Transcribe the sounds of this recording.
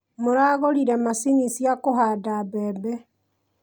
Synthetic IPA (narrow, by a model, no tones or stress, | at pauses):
moɾaːɣoɾiɾɛmasinisjakoɦaːdabɛːbɛ